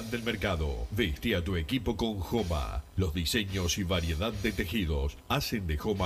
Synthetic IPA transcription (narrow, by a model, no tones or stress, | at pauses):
d̪e̞lmeɾkaðo̰βest̪iat̪uekipo̞ko̞ŋxoma̰lo̞zðise̞ɲosiβaɾjeðaðːet̪e̞xiðosasend̪exoma